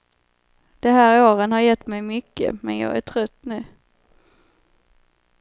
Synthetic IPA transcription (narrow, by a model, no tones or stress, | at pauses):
d̪̥ɛɦæːɾoːɾənhɑɾjɛt̪ːmɛjmʏkːə̰mɛnjɑ̰ːɡæ̰ʈʰɾœt̪ːnʉ̟ː